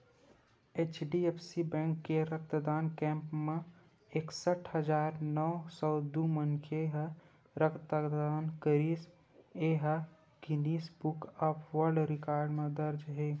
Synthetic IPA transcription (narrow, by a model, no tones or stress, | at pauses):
eːt͡ʃɖiepʰsibɛ̃ːŋkːeɾək̚t̪d̪aːnkɛ̃ːmpmẽ | eksəʈʰɦəd͡ʒaːɾnɔsɔːd̪umənkʰeɦ | ɾəkt̪d̪aːnkəɾiːs | eɦ | ɡɪniːsbukəpʰʋəɾɖɾɪkaːɾɖmẽd̪əɾd͡ʒɦeː